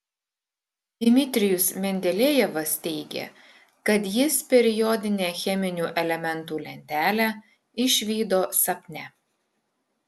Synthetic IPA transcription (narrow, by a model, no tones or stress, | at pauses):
d̪̥ʲɪmʲɪt̪ʲɾʲɪjʊsmʲɛnʲd̪ʲɛlʲejɛʋɐst̪ʲɛɪɡʲḛ | kɐt̪jɪspʲɛɾʲɪjɔd̪ʲɪnʲeːxʲɛmʲɪnʲuːʔɛlʲɛmʲɛnˑt̪uːlʲɛnʲt̪ʲæːlʲæː | ɪʃʲʋʲiːd̪oːsɐpʲnʲɛ